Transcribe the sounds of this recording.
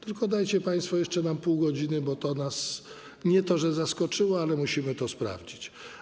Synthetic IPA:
t̪ɘlkɔd̪ajt͡ɕɛpaj̃st̪fɔjɛʂt͡ʂɛnampuwɡɔd͡ʑinɘbɔt̪ɔnas | ɲɛt̪ɔʐɛzaskɔt͡ʂɘwɔalɛmuɕimɘt̪ɔspɾa̰vd͡ʑit͡ɕ

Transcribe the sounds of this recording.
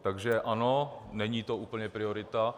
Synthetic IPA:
t̪aɡʒɛʔanonɛɲiːt̪o̞ʔuːpl̩ɲɛpɾɪoɾɪt̪a

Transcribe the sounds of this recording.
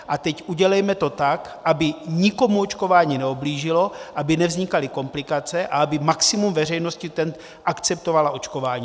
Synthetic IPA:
ʔat̪ɛcʔuɟɛlɛjmɛt̪o̞t̪ak | ʔabɪɲɪko̞muot͡ʃko̞vaːɲiːnɛubliːʒɪlo̞ʔabɪnɛvzɲɪkalɪko̞mplɪkat͡sɛʔaabɪmaksɪmumvɛr̝ɛjno̞scit̪ɛnt̪ | ʔakt͡sɛp̚t̪o̞valao̞t͡ʃko̞vaːɲiː

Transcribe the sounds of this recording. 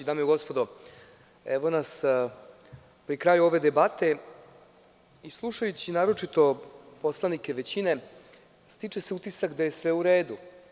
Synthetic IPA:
id̪amjeɡo̞spod̪o | ḛʋo̞nas | pɾikɾaːjuoʋe̞d̪e̞bat̪e̞ | islˠuʂajut͡ɕinaːɾo̞t͡ʂit̪o̞po̞slˠanikʲe̞ʋet͡ɕine̞ | st̪it͡ʂeseut̪isakd̪aje̞sʋe̞uɾeːd̪u

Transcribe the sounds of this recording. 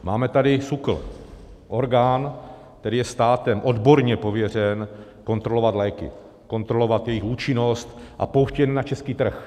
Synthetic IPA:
ma̰ːmɛt̪adɪsukl̩ | ʔo̞ɾɡaːn | t̪ɛɾɪjɛst̪aːt̪ɛmʔo̞d̪bo̞ɾɲɛpo̞vjɛr̝ɛnko̞nt̪ɾo̞lo̞vat̪lɛːkɪ̰ | ko̞nt̪ɾo̞lovat̪jɛjɪxuːt͡ʃɪno̞st̪ʔa̰powʃcɛnnat͡ʃɛskiːt̪r̩x

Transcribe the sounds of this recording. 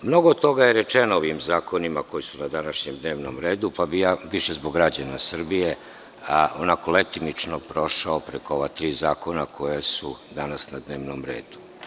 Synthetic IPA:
mno̞ɡoːd̪t̪t̪o̞ɡajeɾet͡ʃenooʋimzaːkʰo̞nimako̞jisunad̪anaʃɲemd̪ne̞ːʋnomɾe̞ːd̪upabijaʋiʃe̞zboɡːɾad͡ʑanasr̩bije | onakolet̪imit͡ʃnopɾo̞ʃaopɾekooʋat̪ɾiːzaːko̞nakʰo̞jesud̪anasnad̪ne̞ːʋnomɾe̞̰ːd̪̥u̥

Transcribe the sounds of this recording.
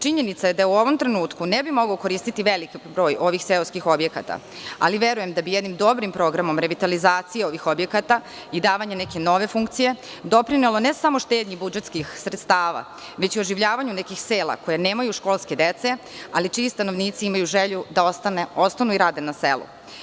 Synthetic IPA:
t͡ʃiɲe̞nit̪saje̞d̪auo̞ʋo̞mt̪ɾe̞nuːt̪kunebimo̞ɡoko̞ɾiːst̪it̪iʋelikibɾo̞ːjo̞ʋixseloskixo̞bje̞ka̰t̪a̰ | a̰liʋe̞ɾuje̞md̪abijed̪nimd̪o̞bɾimpɾo̞ɡɾamo̞mɾe̞ʋit̪alizaːt̪sijeo̞ʋixo̞bje̞kat̪a | id̪aːʋaɲeneke̞no̞ʋe̞fuŋkt̪sije̞d̪o̞pɾinelˠonesamoʃt̪eːd̪ɲibud͡ʒet̪skixsɾet̪st̪aːʋa̰ | ʋe̞t͡ɕio̞ʒiʋʎaːʋaɲunekixseːlˠa̰ko̞jeneːmajuʃko̞ːlˠske̞d̪et̪se | alit͡ʃiist̪ano̞ʋniːt̪siimajuʒeʎud̪aoneost̪anuiɾaːd̪enaselˠṵ

